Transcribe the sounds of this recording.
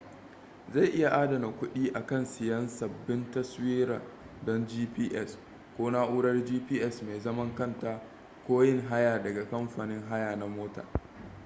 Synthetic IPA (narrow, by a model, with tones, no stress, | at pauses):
za˦˨jʔɪ˦ja˨ʔaː˦dɐ˨na˨kʷʊ˦ɗiː˦ʔa˨kɐ˦˨nsɪ˨jɐ˦nsɐ˨bːɪ˦ntɐ˦swiː˦ɾa̰˨ | dɔ˦nd͡ʒiː˦piː˦ʔɛ˦˨s | kʷoː˦na˦ʔuː˦ɽɐ˦rd͡ʒiː˦piː˦ʔɛ˦˨smeː˨zɐ˦mɐ˦ŋkɐ˦˨nta˨ | kʷoː˦jɪ˦˨ŋɦa˦jaː˨dɐ˨ɡa˨kɐ˦mɸaː˨nɪ˦ŋɦa˦jaː˨na˨moː˦ta̰ː˨